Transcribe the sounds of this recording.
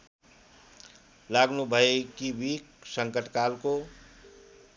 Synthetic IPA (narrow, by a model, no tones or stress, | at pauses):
laɡnubʱəekibiksəŋkəʈkalko